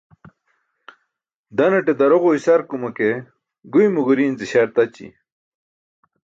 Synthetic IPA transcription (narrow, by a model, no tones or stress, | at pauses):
d̪ɐnɐʈed̪ɐɾoʁoisɐɾkumɐke | ɡujmuɡuɾiːnziɕɐɾt̪ɐt͡ɕḭ